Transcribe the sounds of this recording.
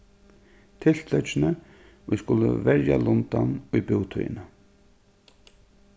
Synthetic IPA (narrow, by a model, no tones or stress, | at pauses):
t̪ʰɪl̥t̪ʰlœt͡ʃːɪnə | ʊjskʊlːə̰vɛɹja̰lʊnt̪anʊjbɪwt̪ʰṵjɪ̰na